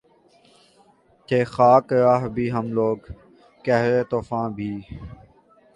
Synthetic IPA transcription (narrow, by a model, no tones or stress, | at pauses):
t̪eːxaːkɾaːɦbʱiːɦəmloːɡ | kɛɦɾeːt̪oːfãːbʱiː